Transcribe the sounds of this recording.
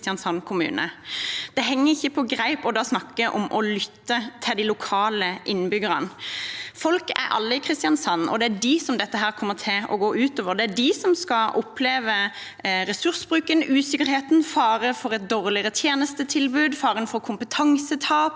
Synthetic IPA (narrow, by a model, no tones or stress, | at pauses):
t̪ɪɑnsɑnːkʰʊmʉ̰ːnə̰d̪̥ɛɦɛŋːəɪçːəpʰɔɡɾæɪpɔd̪ɑːsnɑkːəʔɔmʔɔlʏt̪ːət̪ʰɪld̪ɪlʊkʰɑːləʔɪnːbʏɡəɾənfɔlkæ̰ɾʔɑ̰lːəɪkʰʁɪst̪ɪjɑnsɑnːɔ̰d̪ɛæɖɪsɔmd̪ɛt̪ːəɦæːɾkʰɔmːəʁt̪ʰɪlɔ̰ɡoːʔʉːt̪oːʋəʁd̪ɛæɖɪsɔmskɑʔɔpʰleːʋə | ɾɛsʉʁsbʁʉːkənʉːsɪkəɾheːt̪n̩fɑːɾəfɔɾʁɛt̪̚d̪oːʁlɪəɾət̪ʰjeːnəst̪ət̪ʰɪlbʉːd̪fɑːɾənfɔʁkʰʊmpət̪ʰɑŋsət̪ʰɑːp